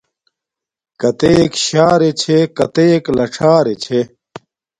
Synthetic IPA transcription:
kɐt̪eːkɕaːɾet͡ɕʰekɐt̪eːklɐʈ͡ʂʰaːɾet͡ɕʰe

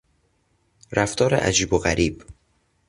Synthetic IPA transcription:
ɾæft̪ʰɒːɾḛʔæ̰d͡ʒiːboɣæɾiːb

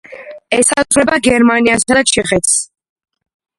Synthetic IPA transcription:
ɛsaʁɾɛbaɡɛɾmaniasad̪at͡ʃʰɛχɛt̪ʰs

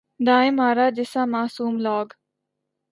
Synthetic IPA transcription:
d̪aːɪ̃maːɾaːd͡ʒɪsãːmaːsuːmlɔːɡ

